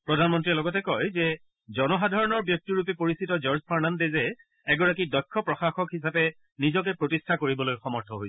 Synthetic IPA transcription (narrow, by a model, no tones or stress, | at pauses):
pɹɔdʱanmɔntɹiɛlɔɡɔtɛkɔjzɛ | zɔnɔxadʱaɹɔnɔɹbjɔk̚tiɹup̬ɛpoɹisitɔd͡ʒɔɹzpʰaɹnandezɛ | ɛɡɔɹakidɔjkʰːɔpɹɔxaxɔkɦis̬apɛ | nizɔk̬ɛpɹotistʰakoɹibɔlojxɔmɔɹtʰɔɦojsɛ̥